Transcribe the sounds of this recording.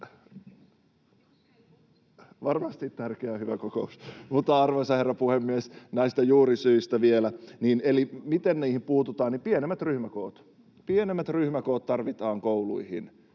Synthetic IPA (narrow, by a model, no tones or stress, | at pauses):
ʋɑrmɑst̪it̪t̪ærkeæhyʋækokousmut̪ːɑɑrʋɑsɑherːɑpuhemːiesnæist̪æjuːɾisyist̪æʋielæniːnelimit̪enniːhimpuːt̪ut̪ɑːnnipienemːæt̪ryhmæko̰ːt̪ | pienemːæt̪ryhmækoːt̪t̪ɑrʋit̪ɑːŋkoulṵihḭn